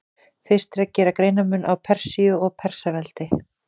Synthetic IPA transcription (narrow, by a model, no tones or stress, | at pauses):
θɪst̪ɾɛcːɛːɾakɾeːjnamʏnʔawpʰɛr̥siʏɔɣpʰɛr̥savɛl̥t̪ɪ